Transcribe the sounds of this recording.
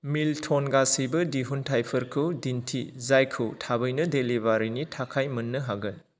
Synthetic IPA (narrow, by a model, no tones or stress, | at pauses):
miltʰonɡasibɯdiɦuntʰajpʰɐɾkʰɯwdintʰizajkʰɯwtʰabɯjnɯdelibaɾinitʰakʰajmɐnːɯɦaɡɯn